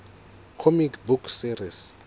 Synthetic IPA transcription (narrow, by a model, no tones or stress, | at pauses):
kʰomikʰbukʰsiris